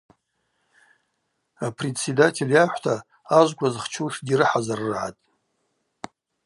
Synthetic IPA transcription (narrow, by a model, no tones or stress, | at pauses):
apʰre̞tt͡se̞datʰe̞ljaħʷtʰaː | ʒʷɡʷazχt͡ʃʰuʂdiɾɨħazarɨʕa̰tʼ